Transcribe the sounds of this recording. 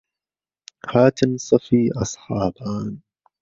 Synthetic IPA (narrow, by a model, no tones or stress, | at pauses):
haːt̪ɪnsˤɑfiːʔɑsˤħɑːbaːn